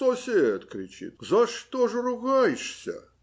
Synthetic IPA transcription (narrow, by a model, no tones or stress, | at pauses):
osʲeət̪kɾʲɪt͡ɕḭt̪̚zɐʂt̪oʐərʊɣajʂsʲə̰